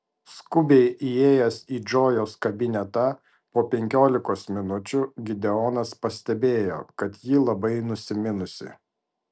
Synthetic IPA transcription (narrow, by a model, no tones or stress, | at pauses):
skʊbʲeɪʔieːjɛsiːd͡ʒoːjoːskɐbʲɪnʲɛt̪ɐ | poːpʲɛŋʲkʲoːlʲɪkoːsmʲɪnʊt͡ʃʲʊɡʲɪd̪ʲɛɔnɐspɐsʲt̪ʲɛbʲeːjo̰ːkɐt̪jiːlˠɐbɐɪnʊsʲɪmʲɪnʊsʲɪ̰